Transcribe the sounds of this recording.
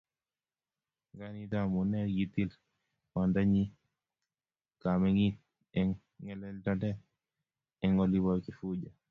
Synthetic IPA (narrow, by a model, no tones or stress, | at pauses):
ŋɡanitamunɛɾɡitil | mandaɲi | kamɛŋi | ɛŋ | ŋɛlɛltadɛ | ɛŋɔliβɔkifuɟa